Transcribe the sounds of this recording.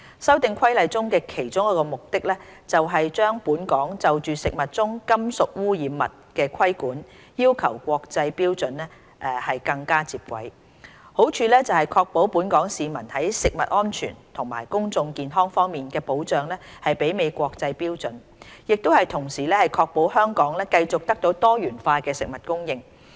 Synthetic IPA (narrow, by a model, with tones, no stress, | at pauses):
sɐ˥wt̪ɪ˨ŋkʰɐ˥jlɐ˨˧jt͡sʊ˥ŋkɛː˧kʰe˨˩jt͡sʊ˥ŋkɔ˨˧˥kɔː˧mʊ˨k̚t̪ɪ˥k̚lɛː˥t͡sɐ˨wɦɐ˨jt͡ʃœː˥ŋpuː˨˥nkɔː˨˥ŋt͡sɐ˨wt͡ʃyː˨sɪ˨k̚mɐ˨t̚t͡sʊ˥ŋkɐ˥msʊ˨k̚wuː˥jiː˨˧˥mːɐ̰˨t̚kɛː˧kʷʰɐ˥jkuː˨˥n | jiː˥wkʰɐ˨˩wkʷɔː˧k̚t͡sɐ˧jpiː˥wt͡sɵ˨˥nɛː˥ | ʔɛ˧hɐ˨jkɐ˧ŋkaː˥t͡siː˧p̚kʷɐ̰˨˥j | ho˨˥wt͡ʃʰyː˧lɛː˥t͡sɐ˨whɐ˨˩jkʰɔː˧k̚po˨˥wpuː˨˥nkɔː˨˥ŋsiː˨mɐ̰˨˩nhɐ˨˥jsɪ˨k̚mɐ̰˨t̚ʔɔː˥nt͡ʃʰy̰ː˨˩nt̪ʰʊ˨˩ŋma̰ː˨˩jkʊ˥ŋt͡sʊ˧ŋkiː˨nɦɔː˥ŋfɔː˥ŋmiː˨nkɛː˧po˨˥wt͡ʃœː˨˩ŋlɛː˥ | hɐ˨jpe˨˥jme˨˧jkʷɔː˧k̚t͡sɐ˧jpiː˥wt͡sɵ˨˥n | jɪ˨k̚t̪o˥whɐ˨jt̪ʰʊ˨˩ŋsiː˨˩lɛː˥hɐ˨jkʰɔː˧k̚po˨˥whœː˥ŋkɔː˨˥ŋlɛː˥kɐ˧jt͡sʊ˨k̚t̪ɐ˥k̚t̪o˨˥wt̪ɔː˥jyː˨˩nfaː˧kɛː˧sɪ˨k̚mɐ˨t̚kʊ˥ŋjɪ˧ŋ